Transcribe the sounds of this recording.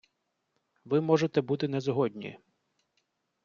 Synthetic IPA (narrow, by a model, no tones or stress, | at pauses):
ʋɪmɔʒet̪ɛbut̪ɪnɛzɦɔd̪ʲnʲḭ